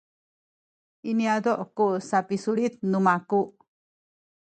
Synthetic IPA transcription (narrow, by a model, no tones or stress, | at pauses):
iniad̪ɔʔkuʔsapisuɭit̪̚numakuʔ